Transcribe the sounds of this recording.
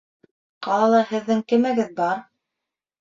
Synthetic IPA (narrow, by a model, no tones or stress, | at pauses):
qɑlˠɑlˠɑhɘ̆ðːɘŋkɘ̆mæɡɘðbɑɾ